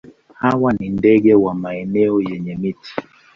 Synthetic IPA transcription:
hawanindɛɠɛwamaɛnɛɔjɛɲɛmiti̥

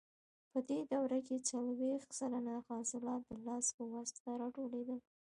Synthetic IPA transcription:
pəd̪ed̪awɾaket͡salwext̪salanaxɑsɪlɑt̪̚d̪əlɑspəwasaɾɑʈoled̪əl

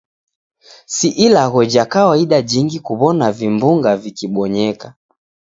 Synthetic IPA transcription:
siʔilaɣɔd͡ʒakawaiɗad͡ʒiŋɡikuβɔnavimbuŋɡavikiɓɔɲɛka

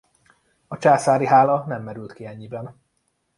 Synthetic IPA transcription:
ɒt͡ʃaːsaːɾiɦaːlɒnɛmːɛɾylt̪kiɛɲːibɛn

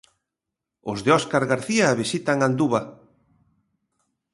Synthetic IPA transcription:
ozðeɔskaɾɣaɾθiaːβisit̪aŋand̪uβa

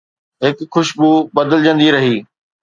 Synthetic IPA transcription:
ɦɪkxʊʃbubɐd̪əld͡ʑə̃nd̪iɾɐɦiː

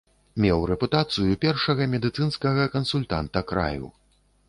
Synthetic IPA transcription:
mʲɛwɾɛput̪at̪sɨjupʲɛrʂɐɣɐmʲɛd̪ɨt̪sɨnskɐɣɐkɐnsulʲt̪a̰nt̪ɐkɾa̰jṵ

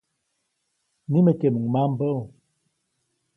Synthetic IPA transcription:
nimətemumambə

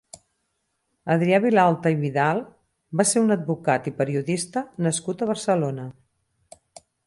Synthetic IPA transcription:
əðɾiaβilalˠt̪əiβiðalˠ | baseunəd̪̚bukat̪ipəɾiuðist̪ənəskut̪əβ̞əɾsəlonə

